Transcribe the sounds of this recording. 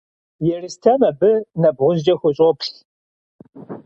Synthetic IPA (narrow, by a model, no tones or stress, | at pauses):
jɛrɨstʰɐmɐbɨnɐbʁʷʊzd͡ʒɐxʷʊɕʼɔpʰɬ